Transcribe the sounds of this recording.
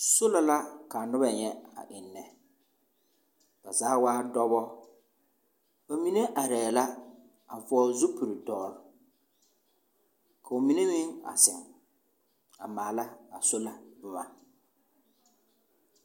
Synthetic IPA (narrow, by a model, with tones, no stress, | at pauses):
sʊ˦la˨la˦ka˨nʊ˦ba˨ɲɛ˦a̰˨ʔɪ˨nːɛ˨ | b̥a˨zaː˨˦waː˦dɔ˦bɔ˦ | ba˨mi˦ne˦ʔa˨ɾɛː˨la˦ | a˨vʊ˨˦ɔ˦zʊ˦pu˨ɾi˨dɔː˨ɾ | kʰa˨ʊ˨mi˦ne˦mɪ˦ŋa̰˨sɪ˨ŋ | a˨maː˨la˦a˨sʊ˦la˨bʊ˨ma˨